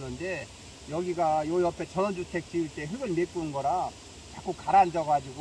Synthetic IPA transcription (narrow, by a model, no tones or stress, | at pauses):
nɯnde̞ | jʌɡiɡajoʌpʰe̞t͡ɕʌnʌd͡ʑutʰe̞k̚t͡ɕ͈iiɭt͈e̞ɸɯɡɯɭmep͈unɡʌɾa | t͡ɕak͈ukaɾand͡ʑʌɡad͡ʑiɡo